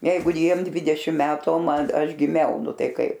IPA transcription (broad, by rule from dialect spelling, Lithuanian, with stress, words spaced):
ˈjɛɪɡʊ ˈjiɛm ˈdʲʋʲɪdʲɛʃʲɪm ˈmʲæːtʊ oː ˈmɐn ˈɐʃ ɡʲɪˈmʲɛʊ ˈnʊ ˈtɐɪ ˈkɐɪp